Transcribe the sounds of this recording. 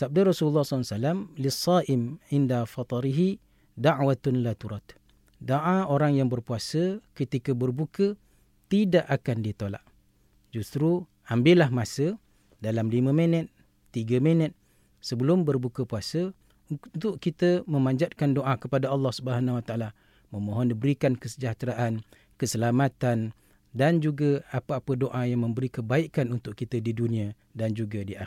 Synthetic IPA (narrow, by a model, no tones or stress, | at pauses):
sab̚darɔsululːɑhssalamlisːaʔɪmʕɪndafɑt̪ˤɑɾiɦi | daʕwat̪nlat̪uɾɑt̪ | doʔaoɾaŋjaŋbərpuasəkət̪ikəbərbukə | t̪idaʔakandit̪ola̰ʔ | d͡ʒust̪ɾu | ambɪlahmasə | dalamlimə̃mənət̪̚ː | iɡəmənət̪̚ | səbəlʊmbərbukəpuasə | t̪ʊʔkit̪əməmãɲd͡ʒat̪̚kandoʔakəpadaɑlːɑhsubəɦanawat̪aʔala | məmoɦɔndibəɾikankəsəd͡ʒaht̪ɾaʔan | kəsəlamat̪an | dand͡ʒuɡaapaapədoʔajaŋmə̃mbəɾikəbaikanunt̪ʊʔkit̪ədidunĩa | dand͡ʒuɡadiʔa